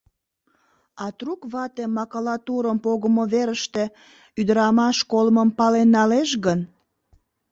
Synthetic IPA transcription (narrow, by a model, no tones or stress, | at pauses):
ɑt̪rukβɑt̪emːɑkolɑt̪uɾəmpoɣəmoβeɾəʃt̪e̽ | yd̪əɾɑmɑʃkolməmpɑlenːɑleʃɣən